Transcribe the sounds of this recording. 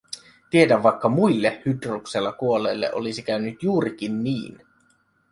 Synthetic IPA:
t̪ie̞dæʋʋɑjkːɑmuilːehyt̪rukselːɑkuo̞le̞ːlːeʔo̞lisik̟æynyt̪juːɾik̟inːiːn

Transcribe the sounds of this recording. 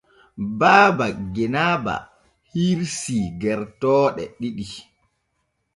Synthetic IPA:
baːbaɡɛnaːba̰ | hiɾsiɡɛɾtɔːɗɛɗiɗi

